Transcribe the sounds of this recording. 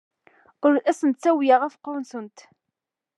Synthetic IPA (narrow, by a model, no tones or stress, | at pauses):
ʊɾæsənt̪t͡sːæwjaʁæfqːʊwnsənt̪